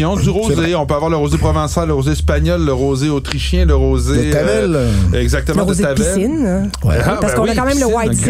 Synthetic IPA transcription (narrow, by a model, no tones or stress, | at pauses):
ɔ̃zyʁozeɔ̃pøavwaʁləʁozepʁɔvɛ̃salːəʁozeɛspaɲɔlːəʁoːzeot̪ʁiʃjɛ̃ləʁoːzevɛlɛɡzak̚t̪əmɑ̃st̪avpɛsɪn | wɛ̰apaʁbɛskɔ̃iakɑ̃mɛ̃mləwaj